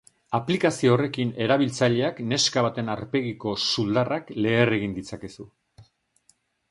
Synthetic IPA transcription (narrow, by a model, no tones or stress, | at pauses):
aplikasioːre̞kine̞ɾaβ̞ilt͡saʎe̞akne̞skaβ̞at̪e̞naɾpe̞ɣiko̞suld̪arakle̞ːre̞ɣind̪it͡sake̞su